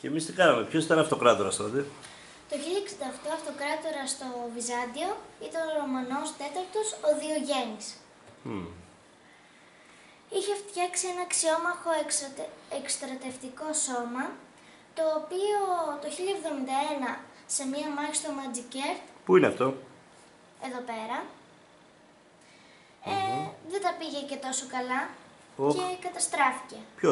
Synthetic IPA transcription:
cemist̪ikɐnɐmepçosit̪ɐnɐft̪o̞kɾɐt̪oɾɐ̰st̪ot̪e | t̪o̞çilʎɐksind̪ɐft̪oɐft̪o̞kɾɐt̪o̞ɾɐst̪o̞vizɐnd̪io̞it̪ɐnoɾomɐno̞st̪e̞t̪ɐɾt̪o̞soðio̞ʝe̞nis | içe̞ft̪çɐksie̞nɐksio̞mɐxo̞ | ekst̪ɾɐt̪e̞ft̪iko̞so̞mɐ | t̪o̞ːpio̞t̪o̞çiʎɐevðo̞mind̪ɐe̞nɐ | se̞mɲɐmɐçist̪omɐd͡zice̞ɾt̪puineɐ̰ft̪o̞ | e̞ðo̞pe̞ɾɐ | eðet̪ɐpiʝe̞ce̞t̪o̞so̞kɐlɐ | oe̞kɐt̪ɐst̪ɾɐfi̥ce̞pço

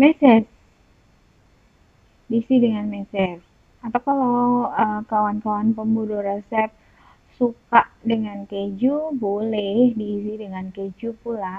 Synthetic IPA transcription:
mɛsɛt̚ | diːsidəŋanmɛsɛr | apakalaəkawankawanpəmbudoɾesɛp̚ | sukaʔdəŋanked͡ʒubolɛhdiːs̬idəŋanked͡ʒupula

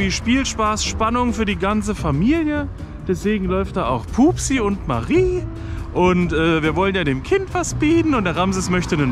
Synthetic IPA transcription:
iːʃpiːlʃpaːsʃpanʊŋfyːɐdiːɡant͡səfamiːljə | d̥ɛsv̥eːɡŋ̩lɔʏft̚d̥aːaʊxpʰuːpsiʊntma̰ʁiː | ʔʊntʔɛːviːɐvɔlənjaːdeːmkʰɪntv̥asb̥iːtn̩ʊnt̚d̥eːɐʁamzɪsmœçtənən

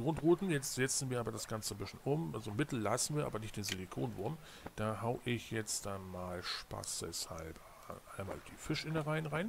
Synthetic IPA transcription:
ɡ̥ʁʊntʁuːtn̩jɛt͡stz̥ɛt͡sn̩viːɐaːbɐdasɡ̥ant͡səbɪsn̩ʔʊmʔalzomɪtl̩lasn̩viːɐʔaːbɐnɪçtd̥eːnzelikʰo̰ːnvʊɐm | d̥aːɦaʊʔɪçjɛt͡std̥anmaːlʃpa̰sɛ̰sha̰lb̰ | ʔaɪnma̰ːld̥iːfɪʃʔɪnəʁaɪnʁaɪn

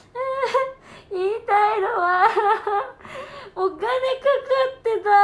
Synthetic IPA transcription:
ɯ | iːt̪ajnowa | oɡanekɯkɯt̪ːed̪a

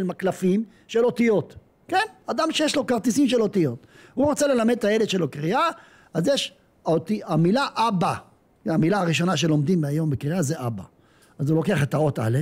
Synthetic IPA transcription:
lmaklafim | ʃe̞lo̞t̪ijo̞t | kenad̪amʃejeʃlo̞kaʁt̪isimʃelo̞t̪ijo̞t̪uʁot͡sele̞lamed̪et̪ajeled̪ʃelo̞kʁia | azjeʃ | aot̪iamilaʔaba | amilaaʁiʃ̬o̞naʃ̬e̞lo̞md̪imajo̞mbekʁiazeʔaba̰ | azulo̞keaχet̪ao̞t̪a̰le

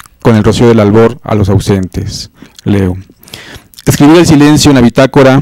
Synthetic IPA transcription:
ko̞ne̞lro̞sioðelalβo̞ɾa̰lo̞sawse̞nt̪e̞sleo | eskɾiβiɾelsile̞nsjoenlaβit̪akoɾa

